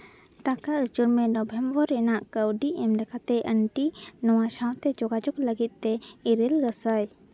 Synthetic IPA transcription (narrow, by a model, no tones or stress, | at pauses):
ʈakaʔɾəd͡ʒuɾmɛnɔbʱɛmbəɾɛnaʔkəwɖiʔɛmɖɛkat̪ɛʔəɳʈinɔwaʃawt̪ɛd͡ʒɔɡad͡ʒukləɡit̪̚ˀt̪ɛiɾilɡəsaj